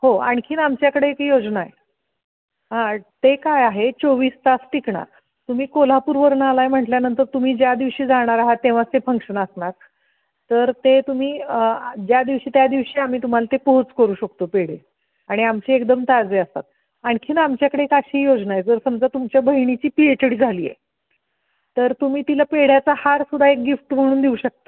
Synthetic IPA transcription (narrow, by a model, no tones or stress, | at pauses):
hoa̰ɳkʰiːnamt͡ɕjakəɽeekjod͡znaḛ | ɦãt̪ekajaɦet͡soʋiːst̪asʈikɳa̰ | t̪um̤iːkol̤apuɾʋəɾnalaem̤əʈljanənt̪əɾt̪um̤iːd͡ʑjad̪iʋɕiːd͡zaɽ̃aɾaɦat̪ːẽʋ̤at͡st̪efəŋkʂənəsnak̚ | t̪əɾt̪et̪um̤iːəd͡ʑjad̪iʋɕiːt̪jad̪iʋɕiːam̤iːt̪um̤alat̪epoɦot͡skəɾuːɕəkt̪opeɽ̤e | aɽ̃iamt͡ɕiːekd̪əmt̪ad͡zeəst̪a̰t̪̚ | aɳkʰiːnamt͡ɕjakəɽeekaɕiijod͡znajed͡zəɾsəmd͡zat̪umt͡ɕjabəɦiɳ̃it͡ɕiːpiet͡ɕəɽiːd͡zʱaliːjḛ | t̪əɾt̪um̤iːt̪ilapeɽ̤jat͡sahaɾsud̪ʱaek̚ɡifʈm̤əɽ̃uːnd̪iuɕək̚t̪ə